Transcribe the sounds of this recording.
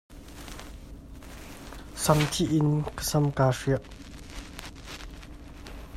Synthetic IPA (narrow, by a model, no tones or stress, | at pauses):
samt̪ʰiʔinkʰə̥sʰamkaʂeʔ